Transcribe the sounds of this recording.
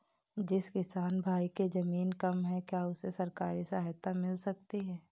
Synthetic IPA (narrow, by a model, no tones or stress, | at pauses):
d͡ʒɪskɪsaːnbʱaːiked͡ʒɐmiːnkɐmɦɛ̃kjaːʊsesɐɾkaːɾisaːɦt̪amɪlsɐk̚t̪iɦɛ̃ː